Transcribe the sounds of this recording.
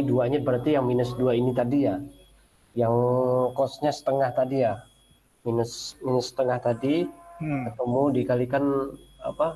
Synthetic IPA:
duaɲabəɾart̪ijaŋminəsduainit̪adija | jaŋkɔsɲasə̥t̪əŋaht̪adijah | minəsminəsːə̥t̪əŋaht̪adi | at̪amudikalikana̰pa

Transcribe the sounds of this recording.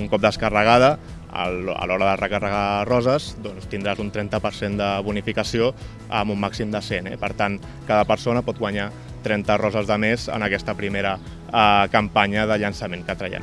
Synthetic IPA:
uŋkɔp̚d̪əskərəɣ̞aðə | ə̰ə̰lɔɾəðərəkərəɣ̞arɔzəzd̪ɔnst̪ind̪ɾazunt̪ɾɛnt̪əpəɾsend̪əβunifikəsio | əmumːaksimd̪əsenɛ̰pəɾt̪an | kaðəpəɾsonəpɔt̪̚ɣwaɲa | t̪ɾɛnt̪ərɔzəzðəmezə̰nəkɛst̪əpɾimeɾə | kəmpaɲəðəʎənsəmeŋkət̪ɾəjɛ̰m

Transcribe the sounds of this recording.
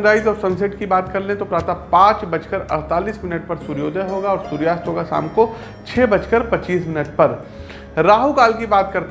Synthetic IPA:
ɾaːɪzɔːɾsɐ̃nseʈkibaːt̪kɐɾlẽt̪opɾaːt̪apãːt͡ʃbɐt͡ʃkəɾɐɽt̪aːliːsmɪnəʈ̚pɐɾsuɾjoːd̪ʱəɦoːɡaɔːɾsuːɾjaːst̪ɦoːɡasa̰ːmko | t͡ʃʰeːbɐt͡ʃkəɾpɐt͡ʃiːsmɪnəʈ̚pɐɾ | ɾaːɦukaːlkibaːt̪̚kɐɾt̪

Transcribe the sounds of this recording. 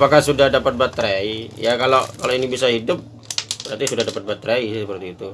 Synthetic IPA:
pakasudahdapat̪̚bat̪ɾaijakalokaloinibisahidʊp̚ | bəɾat̪isudahdapat̪̚bat̪̚ːɾaisəpərt̪iːt̪u

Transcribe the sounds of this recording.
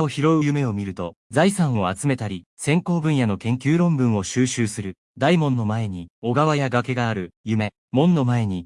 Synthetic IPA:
oçiɾo̞ɯjɯ̟me̞o̞mʲiɾɯ̟t̪o̞d͡zaisãɰ̃o̞at͡sɨme̞t̪aɾʲisẽ̞ŋko̞ːbɯ̟̃ɰ̃jano̞kẽ̞ŋkʲɨːɾõ̞mbɯ̟̃ɰ̃o̞ɕɨːɕɨːsɨɾɯ̟ | d̪aimõ̞nːo̞mae̞ɲ̟io̞ɡaβajaɡake̞ɡaːɾɯ̟jɯme̞ | mõ̞nːo̞mae̞ɲ̟i

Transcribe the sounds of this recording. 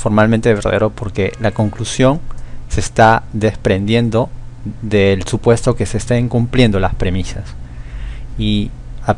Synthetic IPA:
fo̞ɾmalmẽnt̪e̞βeɾða̰ðeɾo̞po̞ɾke̞lako̞ŋklusjo̞ŋse̞st̪aðe̞spɾe̞nd̪je̞nd̪o̞ðelsupwe̞st̪o̞ke̞seːst̪aiŋkumplje̞nd̪o̞laspɾe̞misas | i | a

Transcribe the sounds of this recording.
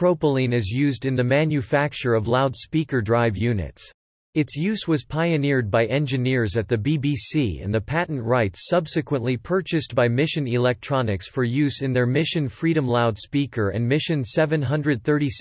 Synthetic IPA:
pʰɹ̥oʊpəl̩ˠĩnɪzjʉzdɨ̃nðɨmæ̃njʉfæk̚t͡ʃə˞ʌvlaʊdspikə˞dɹaɪvjʉnɨ̰ts | ɨtsjʉzwʌz̥pʰaɪɨnɪɹd̚baɪʔɛ̃nd͡ʒɨnɪɹzɨt̪̚ðɨbibisiɨ̰̃nðɨpʰæʔn̩ʔɹaɪtsʌbsɨkwə̃nʔlipʰɜ˞t͡ʃɨsb̥aɪmɪʃɨ̃nɪlɛk̚tʰɹ̥ɑnɨksfə˞jʉzɨ̃nðə˞mɪʃɨ̃nfɹiɾɨ̃mlaʊd̥spikə˞ɨ̰̃nmɪʃɨ̃nsɛvɨ̃nɦʌ̃ndɹɨd̪̚θɜ˞ɾis

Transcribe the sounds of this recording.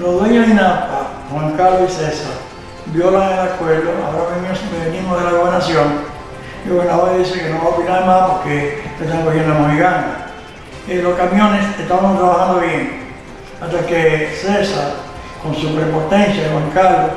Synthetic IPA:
loðweɲozinapa | hwaŋkaɾðoisesaɾ | bjo̞laenakweɾd̪oa̰oɾaβeniseβenimoðelaɣoβeɾnasjoŋ | ɣoβeɾnaβaiðisekenoβaopinaɾmapoɾkeet̪aŋkohjend̪amohiɣand̪a | eloskamjõneseht̪aβamost̪ɾaβahãnd̪oβjeŋ | aht̪akesesaɾ | konsupɾepot̪ẽnsjaðehwaŋkaɾðo

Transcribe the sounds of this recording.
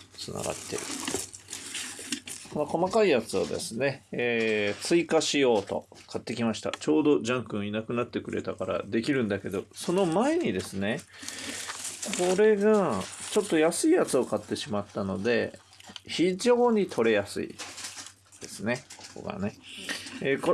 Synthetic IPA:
t͡sɨna̰ɡa̰t̪ːe̞ɾɯ̟ | ko̞no̞ko̞makaijat͡sɨβa̰d̪e̞̰sɨne̞ː | t͡sɨikaɕijo̞ːt̪o̞̰ | kʰat̪ːe̞kʲimaɕi̥t̪a̰t͡ɕo̞ːd̪o̞d͡ʑãŋkɯ̟̃ɰ̃inakɯ̟nat̪ːe̞kɯ̟ɾʔe̞̰t̪akaɾa̰d̪e̞kʲiɾɯ̟̃nd̪ake̞d̪o̞so̞no̞mae̞ɲ̟id̪e̞sɨne̞ | kʰo̞ɾe̞ɡat͡ɕo̞t̪ːo̞jasɨijat͡sɨo̞kat̪ːe̞ɕimat̪ːano̞d̪e̞ | çiʑo̞ːɲ̟it̪ʰo̞ɾe̞jasɨ̰ḭ | d̪̥e̞sɨne̞ko̥ko̞̰ɡa̰ne̞ | k

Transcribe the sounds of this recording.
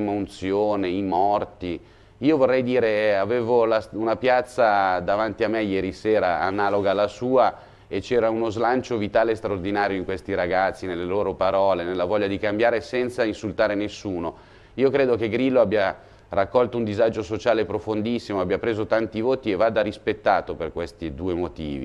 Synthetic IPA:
maunt̪sjoːneimɔrt̪i | iːovorːɛjd̪iːɾeaveːvolasunapjat̪sːad̪avant̪iamːejɛːɾiseːɾa̰anːaːloɡalasuːa | et͡ʃɛːɾaunozlant͡ʃovit̪aːlest̪ɾaord̪inaːɾjoiŋkwest̪iɾaɡat̪sːinelːeloːɾopaɾɔːlenelːavɔʎːad̪ikambjaːɾesɛnt̪sainsult̪aːɾenesːuːno | iːokɾeːd̪okeɡɾilːoabja | rakːɔlt̪ound̪izad͡ʒosot͡ʃaːlepɾofond̪isːimoabjapɾeːzot̪ant̪ivoːt̪ievːaːd̪aɾispet̪ːaːt̪operkwest̪id̪uːemot̪ḭːvḭ

